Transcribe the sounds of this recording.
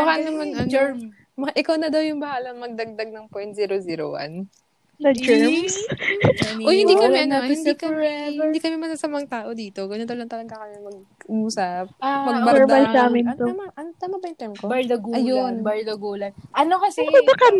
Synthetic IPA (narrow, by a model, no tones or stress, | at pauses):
mɐkanɐmanɐ | mɐaʔɪkawnɐd̪ɐwjʊŋbɐhaːlɐŋmɐɡ̚d̪ɐɡ̚d̪ɐɡ̚nɐŋpojnt̪ziːɾoziːɾo̰wɐ̰n | sɐɛms | ʔohɪniːkɐmɛɐnɪnd̪ikɐɛhɪnd̪iːkɐmɛmɐsɐsɐmɐŋt̪aːʔo̞d̪iːt̪o̞ɡɐɲɐnd̪ɐwlɐnt̪ɐlɐɡɐkɐmɛmɐɡ̚ʔuːsɐp̚mɐɡ̚bɐɛɹd̪ɐlsaːmɪnt̪omɐʔɐnt̪ɐnobɐjɪnt̪ɛmkobɐjd̪ɐɡɐjonbɐjd̪ɐɡoːlɐnʔɐnokɐsɛɐkɐ